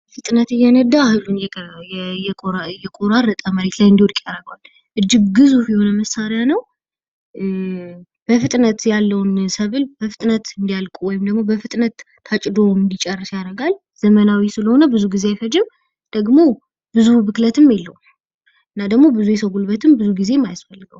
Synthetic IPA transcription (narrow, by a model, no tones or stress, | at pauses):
fɨt̪ʼnət̪ɨjːɛnəd̪ːahɨlun | jɛjɛkʼoɾaɾɨt̪ʼəməɾe̞t̪lajɨnd̪iwd̪kʼjaɾəɡwal | ʔɨd͡ʒːɪɡɡɨzuhjɛho̞nəməsːaɾjanəw | b̥əfɨt̪ʼnət̪jalːəwnsəβɨlbəfɨt̪ʼnət̪ɨnd̪ijalkʼuwɔjɪmd̪əɡmo̞bəfɨt̪ʼnət̪ːʰ | at͡ʃʼd̪o̞mɨnd̪it͡ʃʼɛrːɨsjaɾəɡal | z̥əmənawisɨləho̞nəbɨzuɡizeajfəd͡ʒɪm | d̪̥əɡmo̞ | bɨzuhbɨklət̪ɨmjelːəw | ɨnːad̪əɡmo̞bɨzujɛsəwɡulbət̪ʰɨmbɨzuɡize̞mːajasfəlːɨɡəw